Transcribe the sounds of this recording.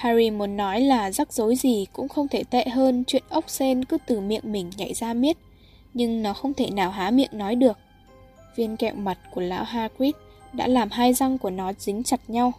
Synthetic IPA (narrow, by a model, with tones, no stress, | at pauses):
haː˧ɾi˧mu˨˦ənːɔ˨˦jlaː˨˩za˦˥k̚z̥o˨˦jzi˨˩kʊ̰˧˥ŋ͡mxə˧wŋ͡mt̪ʰe˧˩t̪ɛ̰˧˨ɦəː˧nt͡ɕwḭ˧˨ənʔə˦˥wk͡p̚se˧nkɨ˨˦t̪ɨ˨˩mḭ˧˨əŋmï˨˩ŋ̟ɲa̰˧˨jzaː˧mi˦˥ət̚ | ɲɨ˧ŋnɔ˨˦xə˧wŋ͡mt̪ʰe˧˩naː˨˩wɦaː˨˦mḭ˧˨əŋnːɔ˨˦jɗɨ˨˩ək̚ | vi˧ənkɛ̰˧˨wma˨˩t̚ku˧˩əla̰ː˧˥wɦaː˧kwi˦˥t̚ | ɗa̰ː˧˥laː˨˩mɦaː˧jza˧ŋku˧˩ənɔ˨˦zï˨˦ŋ̟t͡ɕa˨˩t̚ɲa˧w